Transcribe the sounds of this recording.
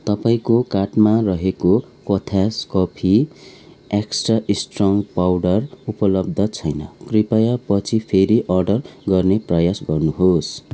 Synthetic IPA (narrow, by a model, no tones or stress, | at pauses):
t̪ʌpaĩkokaʈmarʌɦeko | kʌt̪ʰaskʌpʰi | eksʈraʔisʈrʌŋpawɖʌrupʌlʌb̚d̪ʱʌt͡sʰʌjnʌkripajapʌt͡sʰipʰeɾiʔʌrɖʌrɡʌrneprʌjasɡʌrnuɦos